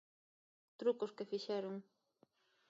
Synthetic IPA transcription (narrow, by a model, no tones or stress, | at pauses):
t̪ɾukʊskefiʃɛɾʊŋ